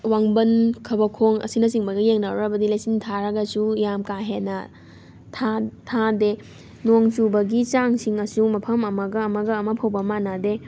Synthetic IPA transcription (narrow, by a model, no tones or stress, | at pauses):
waŋbɐnkʰɐbɐkʰoŋɐ̰sinɐsiŋbɐɡɐjeŋnawɾɐbɐdilajsintʰaɾɐɡɐsujamkaɦenːɐ | tʰatʰade | noŋt͡ʃubɐɡit͡ʃaŋsiŋɐsumɐpʰɐmɐmɐɡɐːmɐɡɐːmɐpʰɐwbɐmanade